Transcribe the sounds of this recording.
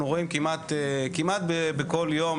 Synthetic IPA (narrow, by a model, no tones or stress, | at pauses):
nuʁoimkimat̪ekimat̪̚bebeko̞ljo̞m